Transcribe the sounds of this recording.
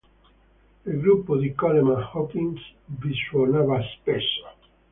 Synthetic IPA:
eɡɾupːod̪ikɔlemãhɔkĩnsbiswonavaspɛsa

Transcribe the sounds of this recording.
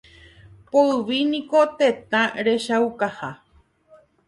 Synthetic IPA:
poɨʋinĩko̞t̪e̞t̪ãɾe̞ʃawkaha

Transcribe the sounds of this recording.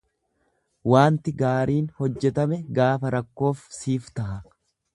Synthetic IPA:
waːnt̪ɪɡaːɾiːnhɔd͡ʒːɛt̪ɐmɛɡaːfɐɾɐkːo̞ːfsiːft̪ɐhɐ

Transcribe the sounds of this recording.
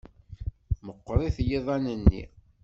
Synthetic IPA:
məqːɾˤiθjiðˤænənːḭ

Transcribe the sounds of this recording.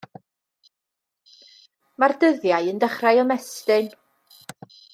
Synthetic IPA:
mardəðjajəndəχrajɔmɛstɪn

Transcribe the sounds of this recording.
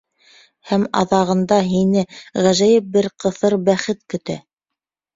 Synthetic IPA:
hæmɑ̰ðɑʁɤ̆nd̪ɑɦinɘʁæʒæjɘp̚bɘɾqɤ̆θɤɾbæχɘt̪̚kɵ̆t̪æ̰

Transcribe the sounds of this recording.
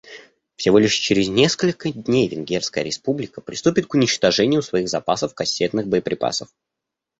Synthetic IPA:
fsʲɪvo̞lʲɪʂt͡ɕɪɾʲɪznʲeskəlʲkəd̪ʲnʲejvʲɪnɡʲerskəjəɾʲɪspublʲɪkəpɾʲɪst̪upʲɪt̪̚kʊnʲɪt͡ɕt̪ɐʐɛnʲɪjʊsvɐiɣzɐpasəfkɐsʲːet̪nɨxbəjəpɾʲɪpa̰səf

